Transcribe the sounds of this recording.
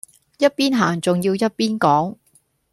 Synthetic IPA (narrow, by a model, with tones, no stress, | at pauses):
jɐ˥t̚piː˥nɦaː˨˩ŋt͡sʊ˨ŋjiː˧wjɐ˥t̚piː˥nkɔː˨˥ŋ